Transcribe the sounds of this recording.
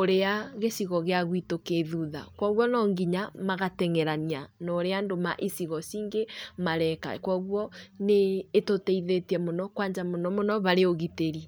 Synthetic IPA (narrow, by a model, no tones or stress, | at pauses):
oɾeaɣesiɣɔɣeaɣwitokeðuða̰kwɔɣwɔnɔŋɡiɲamaɣatɛŋɛɾanianɔːɾeandoma̰ʔisiɣɔsiːŋɡemaɾɛka̰kwɔɣwɔneːtotɛiðetiɛmonɔkwaːɲd͡ʒamonɔmonɔβaɾeoɣiteɾi